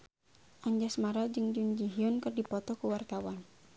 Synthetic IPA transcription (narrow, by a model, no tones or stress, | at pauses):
ʔaɲd͡ʒasmaɾad͡ʒɨŋd͡ʒuɲd͡ʒiɦiʊnkɨrdipɔt̪ɔkuwart̪awan